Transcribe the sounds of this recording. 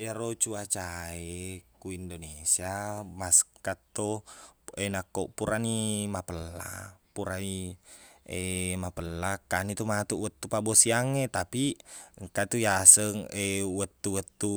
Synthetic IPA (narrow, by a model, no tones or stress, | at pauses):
eɾot͡ʃuat͡ʃaekuindonesiamaskat̪ːo | enakːoʔpuɾanimapəlːa̰puɾai | emapəlːakanit̪umat̪uʔwət̪ːupabosiaŋet̪apiŋkat̪ujasəŋewət̪ːuwət̪ːu